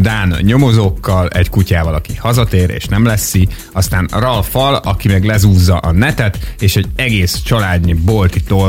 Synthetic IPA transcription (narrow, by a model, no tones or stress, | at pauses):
d̪aːnɲo̞mo̞zoːkːɒlɛckucaːvɒlɒkihɒzɒt̪eːɾḛːʃnɛmlɛsːi | ɒst̪aːnrɒlfɒlɒkimɛɡlɛzuːzːɒʔɒnɛt̪ɛt̪eːʃɛɟɛɡeːst͡ʃɒlaːd̪ɲibo̞lt̪it̪o